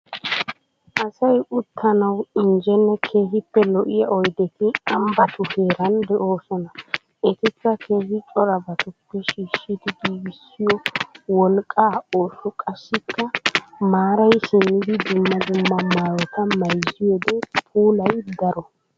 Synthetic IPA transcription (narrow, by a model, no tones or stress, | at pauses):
ʔɐsɐjʔʊt̪ʰːɐnɐwɪnd͡ʒɛnːɛkʰe̞ːɦɪpːɛlɔʔɪjɐʔɔjd̪ɛt̪ɪɐmbɐt̪ʊhe̞ːɾɐnd̪ɛʔoːsɔnɐ | ɛt̪ɪkːɐkʰe̞ːhɪt͡ʃʼɔɾɐbɐt̪ʊpːɛʃiːʃid̪ɪɡiːbɪsːɪjɔwɔlkʼːaːoːsʊkʼɐʃːɪkːɐmaːɾɐjʃɪnːɪd̪ɪd̪ʊmːɐd̪ʊmːɐmaːɾɔt̪ɐmɐjzɪjɔd̪ɛpʰuːlɐjd̪ɐɾɔ